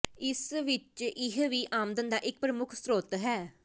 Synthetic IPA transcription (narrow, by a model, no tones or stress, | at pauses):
ɪsʋɪt͡ʃɪɦʋiːʔaːmd̪ənd̪aːʔɪk̚pɾəmʊkʰsɾoːt̪ɦɛː